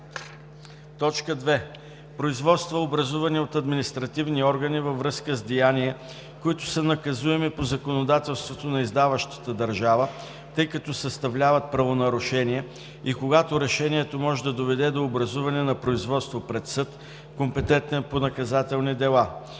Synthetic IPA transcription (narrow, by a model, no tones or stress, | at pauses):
t̪ɔt͡ʃkəd̪vɛ | pɾoizvɔt̪st̪vɐobɾɐzuvɐniot̪ɐd̪minist̪ɾɐt̪ivniɔɾɡənivɐvɾɤskəzd̪ijaniɛ | koit̪ʊsənɐkɐzuɛmipozɐkonod̪at̪ɛlˠst̪vot̪onɐizd̪avəʃt̪ə̥t̪əd̪ɐɾʒavə | t̪ɤjkɐt̪ɔsəst̪ɐvlʲavɐt̪̚pɾɐvonɐɾʊʃɛniɛ | ikoɡat̪oɾɛʃɛnʲiɛt̪omɔʒɛd̪ɐd̪ovɛd̪ɛd̪oːbɾɐzuvɐnɛnɐpɾoizvɔt̪st̪vopɾɛt̪sɤt̪ | kompɛt̪ɛnt̪ɛnponɐkɐzat̪ɛlˠnid̪ɛlˠa